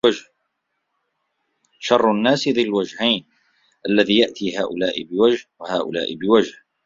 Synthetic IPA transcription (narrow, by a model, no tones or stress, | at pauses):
ad͡ʒh | ʃɑrˤːʊnːaːsɪðɪlwad͡ʒhajn | ʔalːaðiːjaʔt̪iːɦaːʔʊlaːʔɪbɪwad͡ʒhwahaːʔʊ̰la̰ːʔɪbɪwad͡ʒh